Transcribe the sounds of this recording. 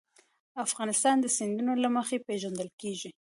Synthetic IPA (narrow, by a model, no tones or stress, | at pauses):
afɣɑnɪst̪ɑnd̪əsɪnd̪unolaməxepeʒand̪əlkeʒi